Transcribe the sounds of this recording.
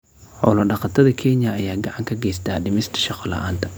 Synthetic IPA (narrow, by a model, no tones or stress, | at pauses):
ħɔwlɐɖɑqɑt̪ʰɐðɐkʰɛnjɐːjaːɡɑʕɑŋkʰɐɡɛjst̪ʰaːɖɪmɪst̪ʰɐ̥ʃɑqɔlɑ̰ʔa̰ːnt̪ʰɐ̥